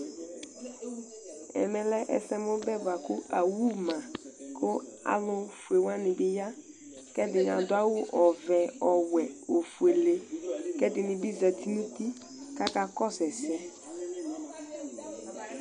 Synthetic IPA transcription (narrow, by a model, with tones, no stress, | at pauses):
ɛ̰˨mɛ̃˨lɛ˦ʔɛ̰˦sɛ˦mʊ˦bɛ˦ba˨kʊ˦a˨wu˦mã˨kʰʊ˦a̰˨lʊ˦fu˨e˨wã˦nɪ̃˨bɪ˦ja˦ | kɛ˦dɪ˨ɲ˨ã˨dʊ˦a˦wʊ˦ʔɔ˨vɛ˨ɔ˨wɛ˨o˨fu˨e˨le˦kɛ˦dɪ˨nɪ̃˨bɪ˦za˨t̪ʰi˦nũ˦ti˦ | ka˦ka˦kɔ˦sɛ˨sɛ˦